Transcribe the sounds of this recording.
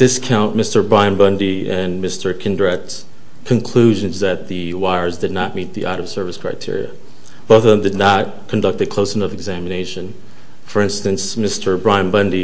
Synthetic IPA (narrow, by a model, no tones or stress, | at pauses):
ðɪskʰãʊ̃nmɪstə˞bɹãɪɨ̃nbʌ̃ndiɨ̃nmɪstʰə˞kʰɪ̃ndɹɛts | kʰɨ̃nkʰl̥ʉʒɨ̃nzðɨt̪̚ðɨ | waɪə˞zdɨdⁿnət̚mit̪̚ðiʔaʊɾʌv̥sɜ˞vɨskʰɹ̥aɪtʰɪ̰ɹḭɨ̰ | b̥oʊθʌvðə̃mdɨdⁿnət̚kʰɨ̃n̩dʌk̚t̪ɨkʰl̥oʊsənʌfɨɡzæmɨneɪʃɨ̃n | fə˞ɪ̃nstɨ̃nsmɪstʰə˞bɹãɪɨ̃nbʌ̃ndi